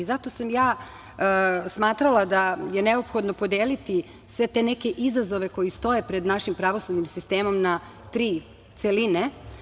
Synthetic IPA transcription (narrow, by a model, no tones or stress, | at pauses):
izat̪o̞samjaː | smaːt̪ɾalˠad̪aje̞ne̞o̞pxo̞d̪no̞po̞d̪eːlit̪i | sʋe̞t̪e̞ne̞ke̞ʔizazo̞ʋe̞ko̞jist̪o̞je̞pɾe̞d̪naʃimpɾaʋo̞sud̪nimsist̪e̞ːmo̞mna | t̪ɾiː | t̪se̞line